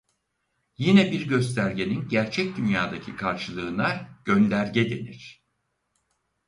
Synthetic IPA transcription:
jinɛbiɾɟø̞s̬t̪ʰæɾɟe̞ninɟæɾt͡ʃʰɛc̚d̪ynjaːd̪acʰikʰaɾʃɯlˠɯːnˠaɾɟ̥ø̞nlʲæɾɟɛd̪e̞̰niɾ̥

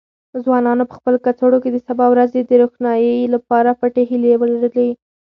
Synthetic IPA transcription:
zwɑnɑnopə̥xpəlokat͡soɽoked̪əsabɑwɾazed̪əɾoxnɑjəlapɑɾafaʈeɦilewəlaɾəlei

